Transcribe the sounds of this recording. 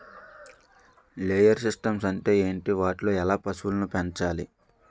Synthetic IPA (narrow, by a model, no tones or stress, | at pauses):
leːjɐɾsisʈɐmsɐɳʈe̞ːeːɳʈiʋaːʈlo̞ːɛlaːpɐswulɐnupent͡ʃaːlḭ